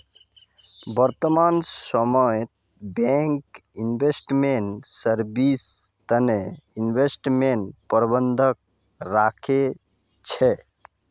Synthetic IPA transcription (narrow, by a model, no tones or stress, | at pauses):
bəɾt̪əmansəmɔet̪ | bɛŋkinbesʈmeɳʈsəɾbist̪əneinbesʈmenʈpəɾbənd̪ʱək̚ | ɾakʰe | t͡ʃʰɛ